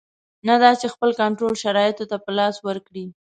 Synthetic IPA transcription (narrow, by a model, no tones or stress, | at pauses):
nad̪ɑt͡ʃexpəlkaɳʈɾolʃaɾɑjɪt̪ot̪apəlɑswəɾkɽi